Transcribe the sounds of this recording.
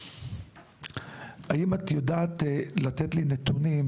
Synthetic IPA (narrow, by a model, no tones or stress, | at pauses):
aʔimat̪jodaːt̪lat̪et̪linet̪unim